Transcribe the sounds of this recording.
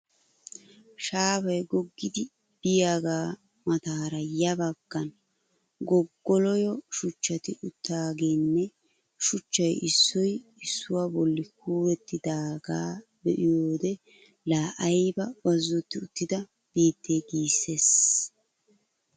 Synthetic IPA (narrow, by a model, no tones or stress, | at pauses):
ʃaːbɐjɡɔɡːɪd̪ɪ | b̥ɪjaːɡaː | mɐt̪aːɾɐjːɐbɐɡ̥ːɐn | ɡɔɡːɔlɔjɔʃʊt͡ʃːɐt̪ɪʔʊt̪ːaːɡeːnːɛ | ʃʊt͡ʃːɐjʔɪsːɔjɪsːʊwaːbɔlːɪkʰuːwɛt̪ːɪd̪aːɡaː | bɛʔɪjoːd̪ɛ | laːʔɐjbɐbɐzːɔt̪ːɪʊt̪ːɪd̪ɐ | b̥iːt̪ːeːɡiːsːes